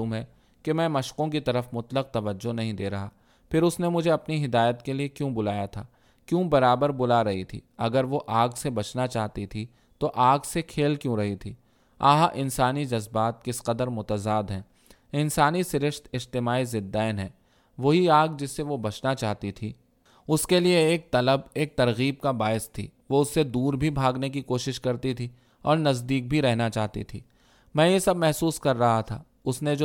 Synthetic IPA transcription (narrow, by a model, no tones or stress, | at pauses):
uːmɦɛː | kemɛ̃ːmɐʃqõk̬it̪ɐɾəfmʊt̪ləq̚t̪ɐʋəd͡ʒːonɐɦĩd̪eːɾɐɦaː | pʰɪɾʊsnemʊd͡ʒʱeɐpniɦɪd̪aːjət̪keliekjũːbʊlaːjat̪ʰaː | kjũːbɐɾaːbəɾbʊlaɾɐɦit̪ʰḭːɐɡəɾʋoʔaːɡsebɐt͡ʃnat͡ʃaːɦt̪it̪ʰi | t̪oʔaːɡsekʰeːlkjõɾɐɦit̪ʰiː | a̰ːɦaʔɪnsaːnid͡ʒɐzbaːt̪̚kɪsqəd̪əɾmʊt̪əzaːd̪ɦɛ̃ː | ɪnsaːnisɪɾɪʃt̪ɪd͡ʒt̪ɪmaːizɪd̪ːaːnɦɛ̃ː | ʋoɦiaːɡd͡ʒɪsːeʋobɐt͡ʃnat͡ʃaːɦt̪it̪ʰiː | ʊskelieːk̚t̪ɐləbeːk̚t̪ɐɾɣiːb̚kabaːɪst̪ʰḭːʋoʊsːed̪uːɾbʱibʱaːɡnek̬ikoːʃɪʃkɐɾt̪it̪ʰiː | ɔːɾnɐzd̪iːk̚bʱiɾɛɦnat͡ʃaːɦt̪ḭt̪ʰḭː | mɛ̃ːjesɐbmɛɦsuːskɐɾːɐɦat̪ʰa̰ː | ʊsned͡ʒo